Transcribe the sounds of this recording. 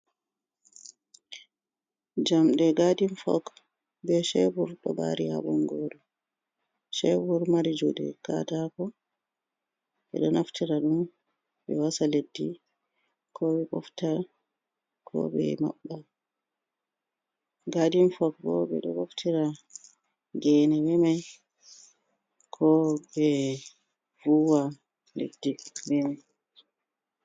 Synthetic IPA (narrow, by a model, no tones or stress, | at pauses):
d͡ʒamɗɛɡadinfɔ̰k | bɛʃɛbuɾɗɔba̰ɾiha̰ɓɔŋɡoːɗɔ | ʃɛbuɾmaɾid͡ʒuɗɛ̰ka̰takɔ | ɓɛ̰ɗɔnaftʰiɾaɗum | bɛwasaledːi | kʰɔɓɛɡɔfta | kʰɔ̰ɓɛ̰ma̰ɓːa | ɡadimfɔk̚bɔ̰ɓɛɗɔɡɔftʰiɾa | ɡɛnɛwɛmɛ | kʰɔɓɛ | vuwa | lḛdːiwɛmɛ